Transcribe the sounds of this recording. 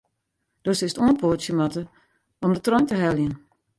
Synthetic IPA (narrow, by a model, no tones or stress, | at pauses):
d̥øsɪstuənpʰoəsjəmatə | ɔmdətrɔjntəɦɛljən